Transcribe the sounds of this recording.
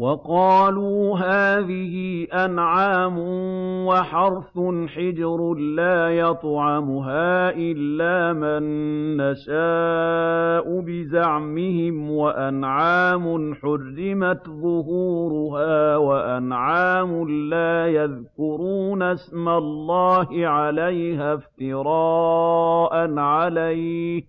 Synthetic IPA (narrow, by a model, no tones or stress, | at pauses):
wɑqɑːluːɦaːðɪhɪʔanʕaːmʊwaħɑɾˤfʊnħɪd͡ʒɾlaːjɑt̪ˤʕɑmʊɦaːʔɪlːaːmanːaʃaː | ʔʊbɪzaʕmɪhɪmwaʔanʕaːmʊħʊrːɪmat̪ðˤʊɦuːɾʊɦaːwaʔanʕaːmʊlaːjaðkkʊɾuːnasmalˤːɑːhɪʕalajhaft̪ɪɾɑːʔanʕalaj